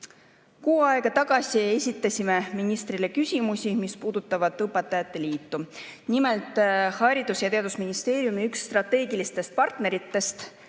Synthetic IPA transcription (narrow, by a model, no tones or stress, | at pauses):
kuːɑeɡ̥ɑt̪ɑɡ̥ɑsʲie̞sʲit̪ːˑɑsʲime̞minist̪rile̞kysʲimusʲimispuːd̪̥ut̪ːˑɑvɑd̪̥tːɤpːˑɑt̪ːˑɑjɑt̪ːe̞liːt̪ːunimelt̪ːˑhɑɾid̪̥usjɑt̪e̞ɑd̪usminist̪e̞ːɾjumiykst̪rɑt̪e̞ːɡilist̪e̞st̪̚pɑrt̪ne̞ɾit̪ːe̞st̪